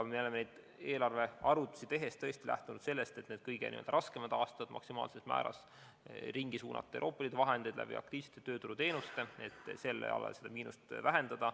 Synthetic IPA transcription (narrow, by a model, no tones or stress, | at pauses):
meo̞le̞menejd̪̥ | e̞ːlɑrve̞ɑɾut̪ːˑu̥sit̪e̞ɦe̞st̪t̪ɤ̞est̪ilʔæ̰ht̪unud̪̥se̞lːe̞st̪et̪neːd̪̚kɤjɡ̥ḛnḭeld̪ɑɾɑskemɑd̪̥ɑːst̪ɑd̪mʔɑ̰ksimɑ̰ːlsesmæ̰ːɾɑ̰s | riŋɡisuːnʔɑ̰t̪ˑːewʔoːpːˑɑlid̪evɑɦe̞nd̪̥ejd̪læ̰b̥ḭɑ̰kt̪iːv̥se̥t̪ːˑet̪ø̞ːt̪uɾut̪e̞ːnust̪e̞e̞t̪ːˑse̞lːḛɑ̰lɑ̰lse̞d̪̥ɑmiːnust̪væɦe̞nd̪̥ɑd̪̥ɑ